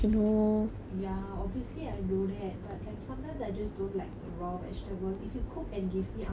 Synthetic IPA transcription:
uno | jaɔbviəsliajnodɛt̚bat̚kãɪ̃sãmt̪ãzaɪd͡ʒasdõntlaɪk̚əɹɔvɛ̰stəbəlifjukʰʊkɛ̃nɡivmia

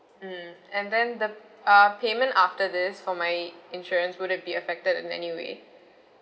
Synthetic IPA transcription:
ɛ̃nd̪ɛ̃nd̪əʌpʰeːmə̃ntaftəd̪ɪsfɔmaɪɪ̃nʃuɾɹə̃nswʊɾɨ̃n̚biəfɛk̚tədɪ̰̃nɛ̰niwḛː

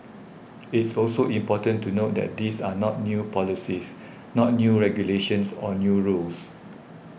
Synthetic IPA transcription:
ɪtsɔlsoʔĩmpɔtə̃ntunot̚dɛ̰t̚disanɔt̚njupʰɔlisis | nɔt̚njuɹɛɡjuleʃə̃nsɔnjuɹuls

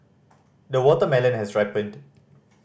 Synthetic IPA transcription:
d̪əwɔtəmɛlə̃nɦɛsɹaɪpə̃nt

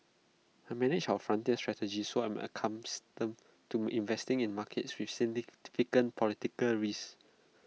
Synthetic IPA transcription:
amɛnɪd͡ʒawəfɹãntiəstɹɛtəd͡ʒisoɛ̃mə̰kʰãmstə̃m | tuĩnvɛstĩŋĩnmakʰɛtswifsitifikə̃npʰɔlitikəlɹis

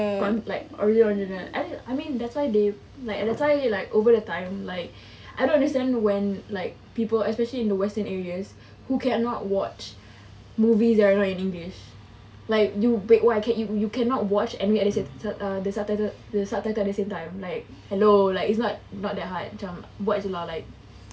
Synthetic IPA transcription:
kɔ̃nlaɪk̚ɔ̰ɹɛdɔ̃nd͡ʒənəɛ̰̃aɪmĩndɛtswaɪde | laɪkdɛtswaɪelaɪkovədətãɪ̃mlaɪk̚ | ʔaɪdõnãndəstɛ̃ndwɛ̃nlaɪk̚pipəlɛspɛʃəliɪ̃ndəwɛstə̃nɛɹiəs | hukʰɛ̃nɔt̚wɔt͡ʃ | muvisdɛɾanɔtĩnĩŋɡliʃ | laɪkjubeʔwoaɪkʰɛ̃njujukʰɛ̃nɔt̚wɔt͡ʃɛniweɛdəsesaʌdəsatatə | dəsataɪtəɛt̚dəsẽmtãɪ̃mlaɪk̚ | hɛlolaɪkɪts̬nɔt̚nɔt̚d̪ɛt̚ɦat̚d͡ʒãmwɔt͡ʃəlɔlaɪk̚

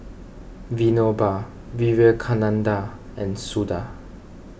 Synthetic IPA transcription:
vinoba | wiwɛkʰanãnda | ɛ̃nsuda̰

